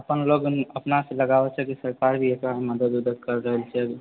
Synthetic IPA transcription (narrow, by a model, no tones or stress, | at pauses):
əpənloɡəpnaseləɡabɛt͡ʃʰɛkisəɾkaɾbʱiekaməd̪əd̪ud̪əd̪̚kəɾːəɦəlt͡ʃʰɛbi